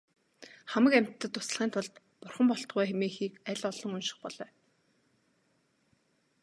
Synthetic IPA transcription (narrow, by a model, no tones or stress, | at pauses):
χæmə̆kæm̥ʲt̪ʰːə̆t̪ːʊ̥s̆ɮʁiːnt̪ʰʊɮt̪ | pʊrχə̆mpɔɬt̪̆ʁuːxemeːxiːkæɮɔɮɞ̆ŋɵnʃɪ̥̆χpɔɮ̥œː